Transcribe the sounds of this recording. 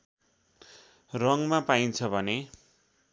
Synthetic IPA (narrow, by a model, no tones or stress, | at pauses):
rʌŋmapaint͡sʰʌbʱʌne